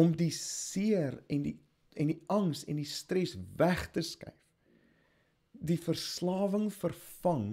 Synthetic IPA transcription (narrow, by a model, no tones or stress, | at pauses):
ɔmdisiərɛndi | ɛndiɐŋsɛ̰ndistrɛsvæχtəskɐ̰jf | difərslɑːvəŋfərfɐŋ